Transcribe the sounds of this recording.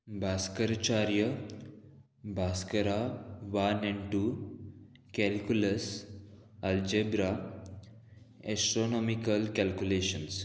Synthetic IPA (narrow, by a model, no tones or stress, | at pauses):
bʱaːskɐɾt͡ʃaːɾjɐ | bʱaːskɐɾaʋaneɳʈu | kɛlkjulɐs | ɐld͡ʒebɾa | esʈɾonoːmikɐlkɛlkuleːʃɐns